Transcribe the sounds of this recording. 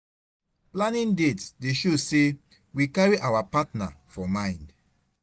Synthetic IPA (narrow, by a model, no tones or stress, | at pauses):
plãnĩndetdeʃose | wikaɹiʔawapatna̰fɔmãɪ̃nd